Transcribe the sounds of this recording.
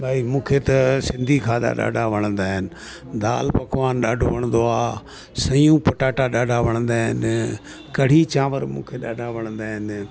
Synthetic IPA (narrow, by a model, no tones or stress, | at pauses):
bʱaːiːmũːkʰeːt̪ɐsɪnd̪ʱiːkʰaːd̪a̰ːɗa̰ːɖaːʋəɽənd̪aːɦɪn | d̪aːlpəkʋaːnɗaːɖoʋəɳ̃nd̪oːaː | sə̃jjũːpəʈaːʈaːɗaːɖaːʋəɳənd̪aːɦɪ̰n | kəɽ̤iːt͡ʃãːʋəɾmṵ̃ːkʰeːɗaːɖaːʋəɳənd̪aːɦɪn